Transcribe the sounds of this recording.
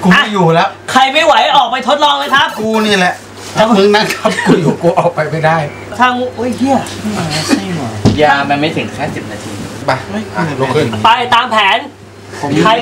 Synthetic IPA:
ku˧˨a˥˩juː˨˩lɛ˦˥wʔkʰa˧jma˥˩jwa˩˦jʔɔː˨˩k̚pa˧jt̪ʰo˦˥t̪̚lɔː˧ŋlɤː˧˥jkʰa˦˥p̚kuː˧niː˥˩lɛ˨˩ʔ | a˧˩mɯ˧˥ŋna˥˩kʰa˦˥p̚kuː˧juː˨˩kuː˧ʔɔː˨˩k̚pa˧jma˥˩jdaː˥˩j | t̪ʰaː˧˩ŋ˥ʔoː˦˥˩jhi˦˧˩ɐ˧˥˩ma˧a˥˩nɔ˨˩jaː˧ma˧nma˥˩jt̪ʰɯ˩˦ŋkʰɛː˥˩si˨˩p̚naː˧t̪ʰḭː˧ba˧˩o˦˥˩jʔa˧˩ɾoː˧kʰɯ˧˩npa˧jt̪aː˧mpʰɛː˩˦nʰ | o˨˦kʰa˧j

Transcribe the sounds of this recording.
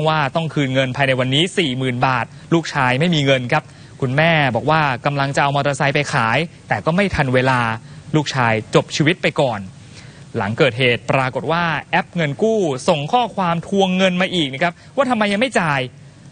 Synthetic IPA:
ŋwaː˥˩t̪ɔ˥˩ŋkʰɯː˧nŋɤ˧npʰaː˧jna˧jwa˧nːiː˦˥siː˨˩mɯː˨˩nbaː˨˩t̪̚luː˥˩k̚t͡ɕʰaː˧jma˥˩jmiː˧ŋɤ˧nkʰa˦˥p̚ | kʰu˧nmɛː˥˩bɔː˨˩k̚waː˥˩ka˧mla˧ŋt͡ɕa˨˩ʔa˧wma˧t̪ə˧sa˧˥jpa˧jkʰaː˩˦jt̪ɛː˨˩kɔː˥˩ma˥˩jt̪ʰa˧nweː˧laː˧luː˥˩k̚t͡ɕʰaː˧jt͡ɕo˨˩p̚t͡ɕʰiː˧wi˦˥t̪̚pa˧jkɔː˨˩n | la˩˦ŋkɤː˨˩t̪̚ɦeː˨˩t̪̚pɾaː˧ko˨˩t̪̚waː˥˩ʔɛ˦˥p̚ŋɤ˧nkuː˥˩so˨˩ŋkʰɔː˥˩kʰwaː˧mt̪ʰu˧əŋːɤ˧nmaː˧ʔiː˨˩k̚na˥˩kʰa˦˥p̚waː˥˩˧mːa˧jːa˧ŋma˥˩jt͡ɕaː˧j

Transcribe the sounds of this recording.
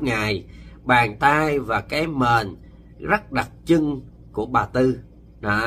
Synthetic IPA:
ŋaː˨˩jɓaː˨˩ŋt̪aː˧jvaː˨˩kaː˨˦jmeː˨˩n | zə˦˥t̚ɗa˨˩t̚t͡ɕɨ˧ŋ | ku˧˩əɓaː˨˩t̪ɨ˧ | nɔ˨˦

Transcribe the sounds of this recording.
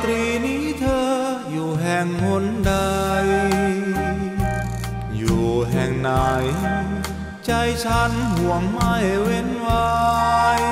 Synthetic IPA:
t̪ɾiː˧˩niː˦˥t̪ʰɤː˧ | juː˨˩ɦɛ˨˩ŋkʰo˧˥nda˧j | juː˨˩ɦɛ˨˩ŋna˨˩j | t͡ɕa˧jt͡ɕʰa˦˥nɦu˨˩˦əŋma˧˩jwe˧˥nwa˧j

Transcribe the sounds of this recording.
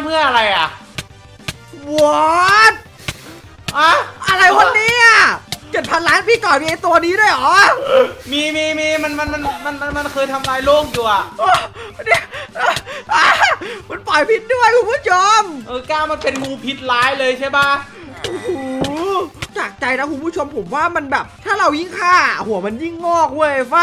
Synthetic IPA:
mɯ˥˩ɐʔa˧ɾa˧jʔa˨˩ʔ | wɔ˦t̪̚ | ʔa˧˩ʔa˧ɾa˧jwa˧nːiː˦˥ʔa˧˩kɤ˨˩t̪̚pʰa˧nlaː˦˥npiː˥˩kɔː˨˩niː˧ʔa˧t̪u˧ɐ˧niː˦˥du˥˩əjʔɔː˨˩˦ | miː˧miː˧miː˧ma˧nma˧nma˧nma˧nma˧nma˧nkʰɤː˧jt̪ʰa˧mɾaː˧jloː˥˩ŋjuː˨˩ʔa˨˩ʔʔoː˧˩˧ni˧˥˩ʔaː˧˥˩ʔaː˧˩ma˧nplɔ˨˩jpʰi˦˥t̪̚du˥˩əjkʰu˧npʰu˥˩t͡ɕʰo˧mʔɤː˧˩kaː˥˩wma˧npe˧nmuː˧pʰi˦˥t̪̚laː˦˥jlɤː˧jt͡ɕʰa˥˩jba˥˩ | ʔo˧˩huː˨˦˧ | t̪aː˨˩k̚t͡ɕa˧jna˦˥kʰu˧npʰu˥˩t͡ɕʰo˧mpʰo˩˦mwaː˥˩ma˧nbɛː˨˩p̚t̪ʰaː˥˩ɾa˧wji˥˩ŋkʰaː˥˩ʔa˨˩hu˩˦ɐma˧nji˥˩ŋnɔː˥˩k̚du˥˩əjʔa˧˩fa˦˥˩

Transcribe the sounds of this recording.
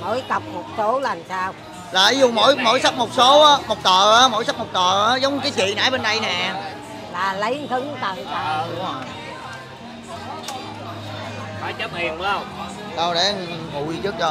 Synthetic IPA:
mo̰˧˥jkə˨˩p̚mo˨˩t̚so˨˦lə˨˩nsaː˧w | laː˨˩vi˨˦zṵ˨˩mo̰˧˥jmo˧˥jsa˦˥mo˨˩t̚so˨˦ʔaː˨˦mo˨˩t̚t̪əː˨˩ʔaː˨˦mo̰˧˥jsa˦˥mo˨˩t̚t̪əː˨˩ʔaː˨˦zə˨˦wŋ͡mɲɨ˧kːt͡ɕḭ˧˨na̰ː˧˥jɓe˧nɗə˧jnɛː˨˩˨ | laː˨˩lə˨˦jt̪ʰɨ˨˦ŋt̪ə˨˩ŋtaː˨˩˨ə˨˩ | faː˧˩jt͡ɕə˦m̚hi˨˩əwə˨˦ə˧wŋ͡m | ɗa˧wɗe˧˩˨ŋṵ˧˨jzɨ˦˥k̚t͡ɕɔ˧

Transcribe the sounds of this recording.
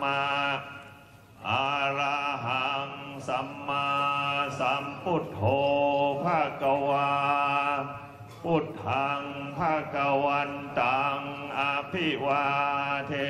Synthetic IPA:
a˧ | ʔaː˧ɾaː˧ɦa˨˩˦ŋsa˨˦mːa˧sa˨˦mpu˥˩t̪̚hoː˧pʰaː˥˩ka˧waː˧ | pu˥˩t̪̚ha˧ŋpʰa˥˩ka˧wa˧nt̪aː˨ŋʔa˧pʰi˥˩waː˧t̪ʰe˧

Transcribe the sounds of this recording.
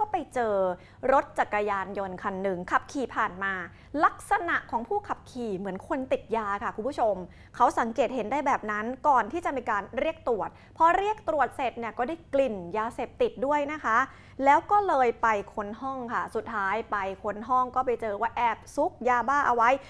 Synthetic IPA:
kɔː˥˩pa˧jt͡ɕɤː˧ | ɾo˦˥t̪̚t͡ɕa˨˩kːa˧jaː˧njo˧nkʰa˧nːɯ˨˩ŋkʰa˨˩p̚kʰiː˨˩pʰaː˨˩nmaː˧ | la˦˥k̚sa˧na˨˩ʔkʰɔː˩˦ŋpʰuː˥˩kʰa˨˩p̚kʰiː˨˩mɯ˩˦ənkʰo˧nt̪i˨˩t̪̚jaː˧kʰa˥˩kʰu˧nbʰu˦˥˩t͡ɕʰo˧m | kʰa˦˥wsa˩˦ŋkeː˨˩t̪̚he˩˦ndaː˥˩jbɛː˨˩p̚na˦˥nkɔː˨˩nt̪ʰiː˥˩t͡ɕa˨˩miː˧kaː˧nɾi˥˩ək̚t̪ɾu˨˩ət̪̚pʰɔ˦˥ɾi˥˩ək̚t̪ɾu˨˩ət̪̚se˨˩t̪̚ni˥˩ɐkɔː˥˩daː˥˩jkli˨˩njaː˧seː˨˩p̚t̪i˨˩t̪̚du˥˩əjna˦˥kʰa˦˥ʔ | lɛː˦˥wkɔː˥˩lɤː˧jpa˧jkʰo˧nɦɔ˥˩ŋkʰa˥˩su˨˩t̪ʰːaː˦˥jpa˧jkʰo˧nɦɔ˥˩ŋkɔː˥˩pa˧jt͡ɕɤː˧waː˥˩ʔɛː˨˩p̚su˦˥k̚jaː˧baː˥˩ʔa˧wa˦˥j

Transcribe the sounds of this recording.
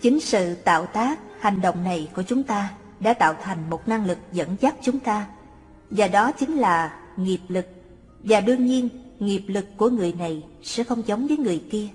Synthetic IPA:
t͡ɕï˨˦ŋ̟sɨ̰˧˨t̪a̰ː˧˨wt̪aː˦˥k̚ha˨˩jŋ̟ɗo̰˧˨wŋ͡mna˨˩jku˧˩ət͡ɕʊ˨˦ŋ͡mt̪aː˧ | ɗa̰ː˧˥t̪a̰ː˧˨wt̪ʰa˨˩jŋ̟mo˨˩t̚na˧ŋlɨ˨˩k̚zə̰˧˥nzaː˦˥t̚t͡ɕʊ˨˦ŋ͡mt̪aː˧ | vaː˨˩ɗɔ˨˦t͡ɕi˨˦ŋ̟laː˨˩ | ŋi˨˩əp̚lɨ˨˩k̚ | vaː˨˩ɗɨ˧əɲi˧ənŋi˨˩əp̚lɨ˨˩kːu˧˩əŋɨ˨˩əjna˨˩jsɛ̰˧˥xə˧wŋ͡mzə˨˦wŋ͡mvəː˨˦jŋɨ˨˩əjki˧ə

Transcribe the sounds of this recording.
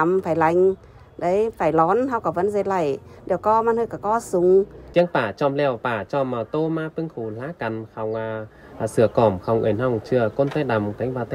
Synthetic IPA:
mfaː˧˩jla˧˩jŋ̟ | ɗə˨˦jfaː˧˩jlɔ˨˦nɦa˧wkɔ˨˧˩və̰˧˨˥nze˨˩t̚la˧˩jɗe˧˩əwkɔ˧maː˧˥nhəː˧˩kɔ˧˩kɔ˧˦sʊ˨˧˦ŋ͡mt̪i˧˦əŋpaː˧˩t͡ɕɔ˧mlɛ˧˩˨wpaː˧˩t͡ɕɔ˧˩ma˨˩t̪o˧maː˧pɨ˧ŋxu˧˩laː˨˦˥ka˨˩nxa˨˧˩wŋ͡mʔaː˨˩˨ | sɨ˨˧˩əkɔ˧˩mxa˨˧˩wŋ͡mʔɨ̰˧˩jnha˧˩wŋ͡mt͡ɕɨ˧˨əko˧nt̪a˧jɗa˨˩mka˨˦ŋ̟ɓaː˨˧˩t̪

